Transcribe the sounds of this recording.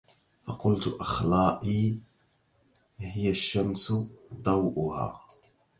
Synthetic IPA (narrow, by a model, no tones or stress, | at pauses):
fɑqʊlt̪ʊʔɑxlɑːʔiː | hɪjaʃːamsʊd̪ˤɑwʔʊha̰ː